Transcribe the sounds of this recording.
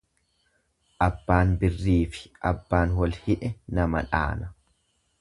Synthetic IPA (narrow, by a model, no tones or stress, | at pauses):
ʔɐbːaːnbɪrːiːfɪ̥ʔɐbːaːnwɔlhɪᶑɛnɐmɐ̰ᶑa̰ːnɐ